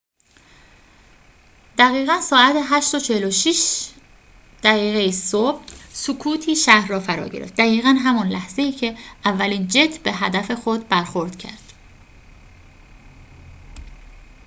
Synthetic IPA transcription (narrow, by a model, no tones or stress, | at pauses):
d̪̥æɣiːɣænsɒːæt̪ʰeɦæʃt̪ot͡ʃʰeheloʃiʃ | d̪̥æɣiːɣejisob̥̚sukʰuːt̪ʰiːʃæhɾːɒːfæɾɒ̰ːɟe̞ɾḛft̪̚d̪æɣiːɣænɦæmɒnlæhz̥e̞iːcʰe̞ʔævːæliːnd͡ʒet̪ʰbe̞ɦæd̪æfe̞xod̪̚bæɾxoɾd̪̥cʰæ̰ɾd̪̥